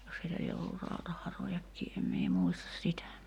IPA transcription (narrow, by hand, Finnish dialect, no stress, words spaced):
jos heilæ lie olːur rɑutɑhɑrojɑkːiː em mie muistɑs sitæ